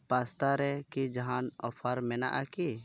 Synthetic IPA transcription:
past̪aɾɛkid͡ʒaɦanɔpʰaɾmɛna̰ʔaki

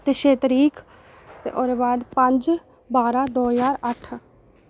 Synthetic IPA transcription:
t̪eːʃeːt̪ɾiːkʰ | t̪ḛːʔoːɾeʋaːɖpəɲd͡ʒ | baːɾaːd̪oːzaːɾəʈʰ

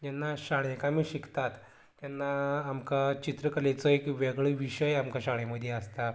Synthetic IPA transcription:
d͡ʑɛnːaɕaɽ̃ekamiɕikt̪at̪ | d͡ʑjɛnːaːmkat͡ɕit̪ɾəkəlet͡sɔekʋeɡɭəʋiɕəjamkaɕaɽ̃eməd̪ʱjeəst̪a

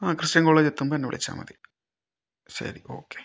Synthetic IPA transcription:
aːkrɨʂtɐŋːɐuɭːɐt͡ɕet̪ːump̪ɐnːeʋḭɭḭt͡ɕːa̰ːmɐ̰ðɨ | ɕɐ̰ɾiʔo̞̰ːkːe

